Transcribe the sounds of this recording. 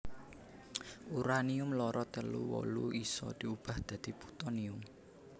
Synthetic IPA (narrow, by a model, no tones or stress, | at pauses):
uɾaniʊmlɔɾɔt̪əlṵwɔ̰luisɔ̰d̪̥i̤ub̥a̤hd̪̥ä̤d̪̥i̤pu̥t̪ɔniʊm